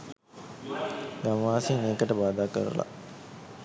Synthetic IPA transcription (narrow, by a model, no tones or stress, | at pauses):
ɡamʋaːsiŋːeːkəʈəbaːd̪aːkə̰ɾṵla̰